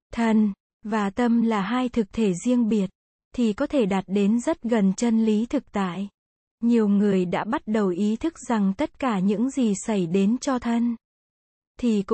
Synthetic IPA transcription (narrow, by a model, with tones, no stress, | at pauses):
t̪ʰə˧˩n | vaː˨˩t̪ə˧mlaː˨˩ɦaː˧jt̪ʰɨ˨˩k̚t̪ʰe˧˩zi˧əŋɓi˨˩ət̚ | t̪ʰi˨˩kɔ˨˦t̪ʰe˧˩ɗaː˨˩t̚ɗe˨˦nzə˦˥t̚ɣə˨˩nt͡ɕə˧nli˨˦t̪ʰɨ˨˩k̚t̪a̰ː˧˨j | ɲi˨˩əwŋɨ˨˩əjɗa̰ː˧˥ɓa˦˥t̚ɗə˨˩wʔi˨˦t̪ʰɨ˦˥k̚z̥a˨˩ŋt̪ə˦˥t̚kaː˧˩ɲɨ̰˧˥ŋzi˨˩sə˧˩jɗe˨˦nt͡ɕɔ˧t̪ʰə˧n | t̪ʰi˨˩k